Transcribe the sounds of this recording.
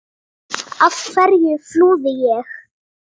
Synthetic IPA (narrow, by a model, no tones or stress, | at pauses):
afkʰvɛɾjɪfluːðɪjɛx